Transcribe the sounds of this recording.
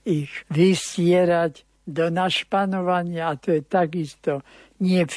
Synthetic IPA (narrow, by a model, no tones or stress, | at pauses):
iɣʋiscɪɛɾaɟ | d̪ɔnaʃpanɔʋaɲɪaːt̪ɔjɛt̪aɡist̪ɔ | ɲɪɛf